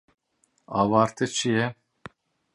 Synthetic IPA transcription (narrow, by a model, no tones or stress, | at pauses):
avaɾt̪ʰit͡ʃʰijɛ